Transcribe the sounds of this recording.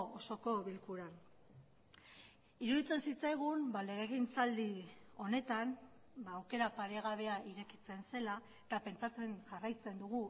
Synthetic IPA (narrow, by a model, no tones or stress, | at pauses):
oso̞ko̞βilkuɾan | iɾuðit͡se̞nsit͡sajɣ̞umbale̞ɣ̞eɣint͡sald̪io̞ne̞t̪am | baːwke̞ɾapaɾeɣ̞aβ̞e̞aʔiɾe̞kit͡se̞nse̞la | et̪ape̞nt͡sat͡se̞nʝarajt͡se̞nd̪uɣ̞u